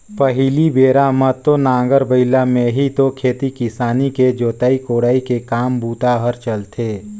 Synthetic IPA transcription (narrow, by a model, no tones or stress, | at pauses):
pəɦilibeːɾamət̪ːonãːɡəɾbəɪlamẽɦit̪okʰeːt̪ikɪsaːniked͡ʒoːt̪aːikoːɽaːikekaːmbuːt̪aɦəɾt͡ʃəlt̪ʰeː